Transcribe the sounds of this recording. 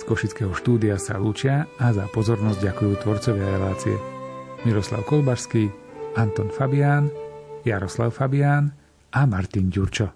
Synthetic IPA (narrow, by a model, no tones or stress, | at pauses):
skɔʃit͡skɛːɦɔʃt̪uːd̪iasa̰luːt͡ʃɪaazapɔzɔɾnɔzɟɟakujuːt̪ʋɔɾt͡sɔʋɪaɾɛlaːt͡siɛ̰miɾɔsla̰ʊkɔlbaɾskiː | ant̪ɔnfabɪaːnjaɾɔsla̰ʊfabɪaːn | ʔamaɾt̪inɟuɾt͡ʃɔ